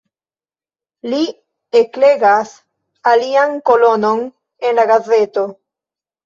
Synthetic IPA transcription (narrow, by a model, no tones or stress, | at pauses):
li | ekleɡas | aliaŋkolono̞n | enlaɡazet̪o